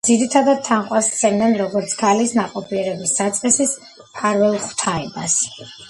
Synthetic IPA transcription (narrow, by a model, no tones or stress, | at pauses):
d̪ziɾit̪ʰad̪ad̪̚t̪ʰanqʼwassʰɛmd̪ɛnɾɔɡɔɾt̪sʰkʰalisnaqʼɔpʰiɛɾɛbisdat̪sʼqʼɛsis | pʰaɾvɛlˠχw̥t̪ʰaɛbas